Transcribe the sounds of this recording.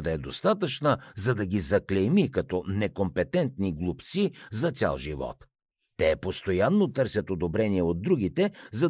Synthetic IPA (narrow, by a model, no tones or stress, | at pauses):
d̪ɐɛd̪ost̪at̪ət͡ʃnəzɐd̪ɐɡʲizɐklɛjmikɐt̪ɔnɛkompɛt̪ɛnt̪niɡlˠupt̪sizɐt̪sʲa̰lˠʒḭvɔ̰t̪ː | ɛpost̪ojanːot̪ɤɾsʲɐt̪od̪obɾɛniɛod̪̚ːɾuɡ̟it̪ɛzɐ